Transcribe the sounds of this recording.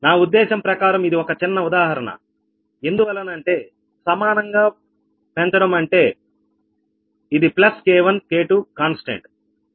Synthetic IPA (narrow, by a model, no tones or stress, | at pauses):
naːud̪ːɛːʃɐmpɾɐkaːɾɐmid̪iɔkɐt͡ʃinːɐud̪aːɦɐɾɐɳɐ̰ | e̞nd̪uʋɐlːɐnɐɳʈe̞ː | sɐmaːnɐŋɡaː | pent̪ɐɽɐmɐɳʈe̞ː | id̪iplɐskeːʋɐnkeːʈukaːnsʈḛɳʈ